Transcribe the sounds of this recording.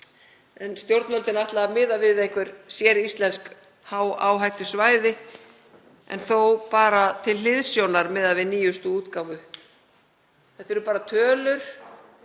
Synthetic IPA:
ɛnst̪jowɾt̪nœlt̪ɪnaht̪laamɪːðavɪðejhkvɪɾ̥sjɛɾist̪lɛnsk | haːwaːwɦajht̪ʏsvaːjðɪ | ɛ̰nθowpaːɾat̪ʰɪllɪðsjownaɾmɛðaðvɪniːjʏst̪ʏuːt̪kawvʏ | θɛht̪ːɛɾʏpaːɾat̪ʰœːlʏɾ̥

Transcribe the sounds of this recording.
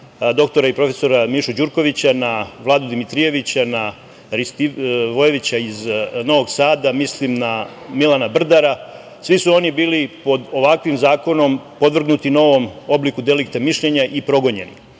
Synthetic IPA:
d̪o̞kt̪o̞ɾaipɾo̞fe̞so̞ɾamiʃud͡ʑuɾko̞ʋit͡ɕanaʋlˠaːd̪ud̪imit̪ɾije̞ʋit͡ɕana | ɾist̪iʋoje̞ʋit͡ɕaizno̞ʋo̞ɡsaːd̪amislimna | milanabr̩d̪aɾa | sʋisuo̞nibiːlipo̞d̪o̞ʋakʋimzaːko̞no̞mpo̞d̪ʋr̩ɡnut̪ino̞ʋo̞mo̞blikud̪e̞likt̪amiʃʎe̞ɲaʔipɾo̞ɡo̞ɲe̞̰nḭ

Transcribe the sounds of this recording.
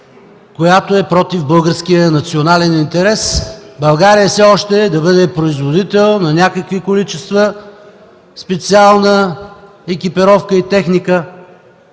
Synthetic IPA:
kojat̪oɛpɾɔt̪ivbɤlˠɡəɾskijənɐt̪sionalɛnint̪ɛɾɛsbɐlˠɡaɾijəfsɛɔʃt̪ɛd̪ɐbɤd̪ɛpɾoizvod̪it̪ɛlˠnɐnʲakəkvikolit͡ʃɛst̪və | spɛt̪sialˠnə | ɛkʲipɛɾɔfkəit̪ɛxnikə

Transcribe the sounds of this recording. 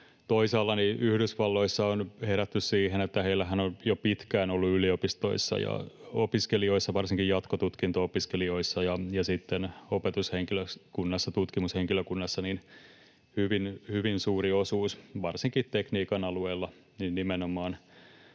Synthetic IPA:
t̪oisɑːlːɑniʔyhdysʋɑlːo̞isːɑonheɾæt̪ːyssiːɦenet̪ːæheilːæɦænonjopit̪kæːnolːuyliopist̪o̞̰isːɑ̰jɑ̰opiskelioisːɑʋɑrsiŋkijɑt̪kot̪ut̪kint̪oopiskelio̞isːɑjɑjɑsit̪ːenopet̪usheŋkiløkunːɑsːɑt̪ut̪kimusheŋkiløkunːɑsːɑnin | hyʋinhyʋinsuːriosuːsʋɑrsiŋkit̪t̪ekniːkɑnɑlueːlːɑ | ninnːimenomɑːn

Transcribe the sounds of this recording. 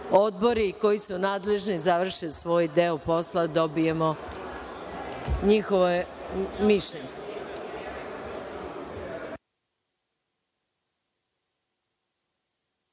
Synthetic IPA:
o̞d̪̚bo̞ɾiko̞jisunaːd̪le̞ʒnizaʋr̩ʃilsʋo̞ːjd̪eopo̞slad̪o̞bije̞mo | ɲixoʋomiʃʎeɲe

